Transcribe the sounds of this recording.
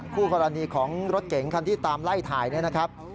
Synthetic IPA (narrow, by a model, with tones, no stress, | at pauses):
kʰuː˥˩kɔː˧ɾa˧niː˧kʰɔː˩˦ŋɾo˦˥t̪̚ke˩˦ŋkʰa˧nt̪ʰiː˥˩t̪aː˧mla˥˩jt̪ʰaː˨˩jni˥˩ɐna˦˥kʰɾa˦˥p̚